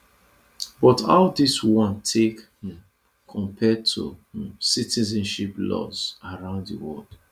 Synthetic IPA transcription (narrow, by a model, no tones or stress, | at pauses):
bɔta̰ʊdiswɔ̃ntʰekh | kʰɔ̃mpʰɛd̚tʰṵ̃sitizɛ̃nʃiplɔ̰zaɹãʊ̃nddiwɔld̥